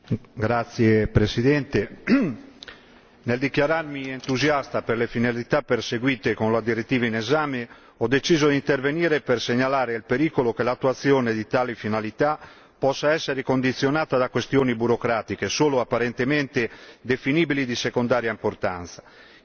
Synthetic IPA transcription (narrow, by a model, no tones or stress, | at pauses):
ɡɾat̪sːjepɾesid̪ɛnt̪e | neld̪ikjaɾarmient̪uzjast̪aperlefinalit̪apːerseɡwiːt̪ekonlad̪iɾet̪ːiːvainezaːme | ɔd̪ːet͡ʃiːzod̪int̪erveniːɾeperseɲːalaːɾelpeɾiːkolokelat̪ːuat̪sːjɔːned̪it̪aːlifinalit̪a | pɔsːaɛsːeɾekond̪it̪sːjonaːt̪ad̪akwest̪joːnibuɾokɾaːt̪ikesoːloapːaɾent̪emɛnt̪ed̪efiniːbilid̪isekond̪aːɾjaimpoɾt̪a̰nt̪sḁ